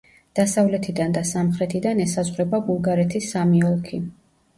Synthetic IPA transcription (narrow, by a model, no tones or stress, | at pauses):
d̪̥asavlɛt̪ʰid̪and̪asamχɾɛt̪ʰid̪anɛsazʁwɾɛbabulˠɡaɾɛt̪ʰisːamiɔlˠkʰi